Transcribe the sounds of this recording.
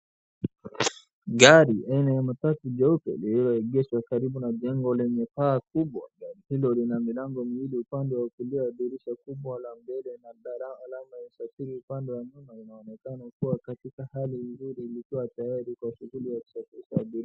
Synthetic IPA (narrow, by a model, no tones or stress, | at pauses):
ɡaɾiʔainajamatatuʄɛupɛ̰lililɔɛɡɛswakaɾiɓunaʄɛŋɡɔlɛɲɛpaːkuɓwa̰ɡaɾihilɔlinamilaŋɡɔmiwiliupandɛwaukuliwaːɓiɾiʃakuɓwalambɛlɛnaɗalaːlamaasafiɾiupandɛwaɲumainaɔnɛkanakuwakatikahalinzuɾiːlikiwatajaɾikwaʃuhulijaku̥safiʃaːɓiɾia